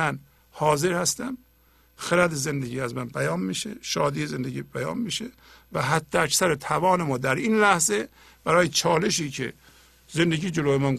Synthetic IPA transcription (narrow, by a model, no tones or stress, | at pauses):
æn | hɒːze̞ɾhæst̪æm | xeɾæd̪eze̞nd̪eɟiːæzmænbæjɒːnmiːʃḛʃɒːd̪iːeze̞nd̪eɟiːbæjɒ̰ːnmiːʃe | væɦæd̪ːeæksæɾet̪ʰævɒːnemɒːd̪æɾinlæhze | b̥æɾɒːjet͡ʃʰɒːle̞ʃiːcʰḛ | ze̞nd̪eɟiːd͡ʒeloːjemæn